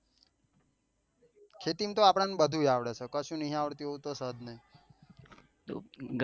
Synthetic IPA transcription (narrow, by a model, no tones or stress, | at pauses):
kʰet̪imt̪oapɽ̃ãnbəd̪ʱuaʋɽet͡ʃʰekəʃũnəɦĩaʋəɾt̪iɦot̪osəd̪nəɦĩ | t̪o̰ɡ